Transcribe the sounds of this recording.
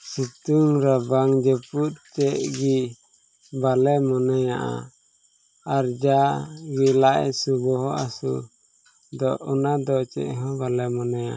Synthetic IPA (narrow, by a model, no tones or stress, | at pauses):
sit̪uŋɾabaŋd͡ʒɛput̪̚t͡ʃɛʔɡi | balɛmɔnajaʔa̰ | aɾd͡ʒaɡilaʔɛ̰subɔɦɔʔasṵ | d̪ɔʔunad̪ɔt͡ʃɛ̰ʔɦɔ̃balɛmɔnajaʔa